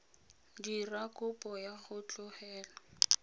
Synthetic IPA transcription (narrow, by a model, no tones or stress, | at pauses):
dirakʼʊpʼɔjaχʊt͡ɬʼʊhɛːla